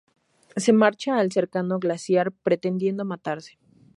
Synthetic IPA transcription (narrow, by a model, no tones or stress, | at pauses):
se̞maɾt͡ʃaːlse̞ɾkano̞ɣlasjaɾpɾe̞t̪e̞nd̪je̞nd̪o̞mat̪aɾse̥